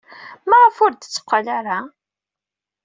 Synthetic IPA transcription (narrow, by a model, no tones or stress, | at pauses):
mæʁəfʊɾd̪t͡sːə̥qʷːalaɾa